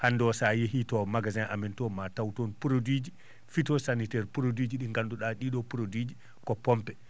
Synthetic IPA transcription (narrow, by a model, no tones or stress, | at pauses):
handɔsajehitɔmaɡazɛnʔa̰mɛntɔmatawtonpuɾodid͡ʒi | fitɔsanitɛɾpuɾodid͡ʒiɗiŋɡanduɗaɗiɗɔpuɾodid͡ʒi | kɔpɔmpɛ